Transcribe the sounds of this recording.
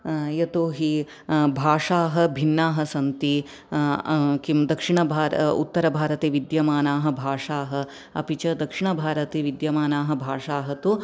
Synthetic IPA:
jɐt̪oːɦi | bʱaːʂaːɦɐ̆bʱinːaːɦɐsɐnt̪i | kimd̪ɐkʂiɳɐbʱaːɾṵt̪ːɐɾɐbʱaːɾɐt̪eːʋid̪jɐmaːnaːɦɐ̆bʱaːʂaːɦɐ̆ | ɐ̰pit͡ʃɐd̪ɐkʂiɳɐbʱaːɾɐt̪eːʋid̪jɐmaːnaːɦɐ̆bʱaːʂaːɦɐt̪u

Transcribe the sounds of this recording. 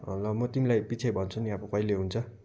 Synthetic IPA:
lʌmot̪imilajpit͡sʰebʱʌnt͡sʰuniabʌpʌileɦunt͡sʰʌ

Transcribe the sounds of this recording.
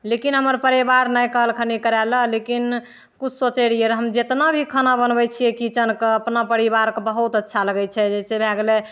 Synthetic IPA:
lekinɦəməɾpəɾibaɾnajkəɦəlkʰənikəɾɛləlekin | kut͡ʃʰsot͡ʃɛɽijeɾɦəmd͡ʒet̪nabʱikʰənabənbɛt͡ʃʰijɛkit͡ʃənkeəpnapəɾibaɾkebəɦut̪ətːʃʰaləɡɛt͡ʃʰɛd͡ʒɛsebʱɛɡlɛ

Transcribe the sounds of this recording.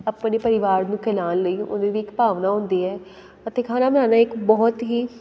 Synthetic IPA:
əpneːpəɾɪʋaːɾnũːkʰɛlaːnləiːʊ̰nd̪eːʋiːɪkpaːʋnaːɦʊ̃nd̪iːɛː | ət̪eːkʰaːnaːbənãːnaːɪkbɔːt̪ɦiː

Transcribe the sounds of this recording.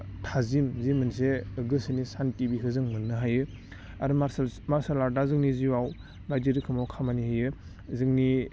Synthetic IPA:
tʰazimzimɯnseɯɡɯsɯnisantibiɦɯzɯŋmɯnːɯɦajɯ | aɾɯmaɾsalaɾdazɯŋniziwaw | bajdiɾɯkʰɯmawkʰamanihɯjɯ | zɯŋni

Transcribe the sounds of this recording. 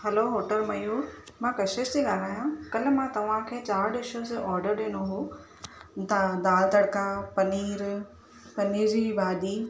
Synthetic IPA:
hɛloɦoːʈəlmɐjuːɾmãːkɐʃeʃd͡ʑiɠaːlaːɦjũkɐl̤ɪ̆mãt̪ɐʋ̤ãkʰeːt͡ɕaːɾɗɪʃõseʔɔːɾɖəɾɗiːɽ̃oɦu | t̪ɐd̪aːlt̪ɐɽkapɐniːɾ | pɐniːɾd͡ʑibaːɗiː

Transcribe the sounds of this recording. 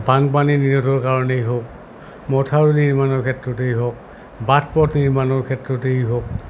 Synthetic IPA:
baŋp̬aniniɹɔtɔɹkaɹɔnejɦok | mɔtʰaɹuniɹmanɔɹkʰɛtɹɔt̬ejɦok̚ | batʰpɔtniɹmanɔɹkʰɛtɹɔtejɦok̚

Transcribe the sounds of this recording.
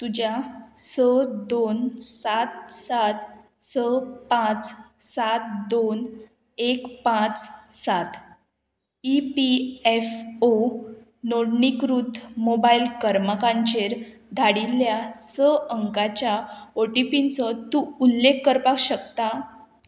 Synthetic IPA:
t̪ud͡ʑjasəd̪onsat̪̚sat̪ | səpãt͡ssat̪̚d̪on | ekpãt͡ssat̪ | ipiefo | noɽnikɾut̪mobailkəɾmakaɲt͡ɕeɾ | d̪ʱaɽilːjasəəŋkat͡ɕjaoʈipinsət̪ːuulːekːəɾpakɕəkt̪a

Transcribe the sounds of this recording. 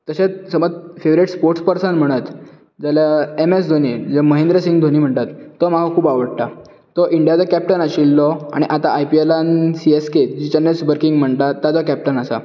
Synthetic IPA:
t̪əɕet͡ssəməd͡zfeʋɾiʈspoɾʈspəɾsənm̤əɽ̃ət̪ | d͡zaljaemesd̪ʱoñid͡zəməɦẽnd̪ɾəsiŋɡd̪ʱoñiːm̤əɳt̪at̪ːɔmakakʰuːpaʋəɽʈa | t̪ɔʔiɳɖjat͡sɔkæp̚ʈənaɕilːɔa̰ɽ̃iʔat̪aʔːjpielansiesked͡ʑit͡ɕanesʋəɾkiŋɡm̤əɳt̪at̪ːad͡zɔkæp̚ʈənəsa̰

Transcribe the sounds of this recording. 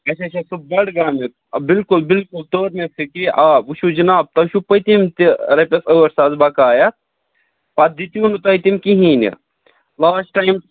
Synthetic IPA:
ɐsɐt͡ʃɐsub̚bɐɽɡaːmit̪̚bilkulbilkult̪oːɾmesikiʔaːbuʃud͡ʒinaːb̚t̪ɐʃupɐt̪imt̪iɾɐpʲesɐʋɐɾsaːzbakaːjɐt̪̚ | pɐd̪it̪iunut̪ɐjt̪imkiɦiːnḭ | laːsʈʈajm

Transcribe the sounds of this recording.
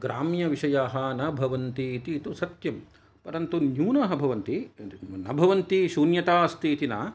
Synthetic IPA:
ɡɾaːmjɐʋiʃɐjaːɦɐːnɐbʱɐʋɐnt̪it̪iːt̪usɐt̪jɐm | pɐɾɐnt̪unjuːnɐɦɐ̆bʱɐʋɐnt̪inɐ̰bʱɐʋɐnt̪iʃuːnjɐt̪aːst̪iːt̪inaː

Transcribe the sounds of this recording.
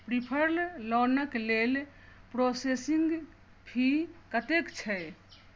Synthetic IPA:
pɾipʰəɾllɔnəklel | pɾosesiŋɡ | bʰʱikət̪ekt͡ʃʰɛj

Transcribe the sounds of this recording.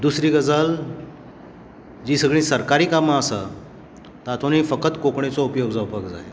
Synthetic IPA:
d̪usɾiːɡəd͡zəl | d͡ʑiːsəɡɭĩsəɾkaɾiːkamaːsa | t̪at̪ʰoniːfəkət̪kokɳet͡sɔupjoɡd͡zaupaɡd͡za̰ḛ

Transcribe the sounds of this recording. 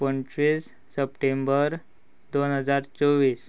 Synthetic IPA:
pəɳt͡ɕɾiːsː | əpʈembəɾ | d̪onɦəd͡zaɾt͡sɔʋiːs

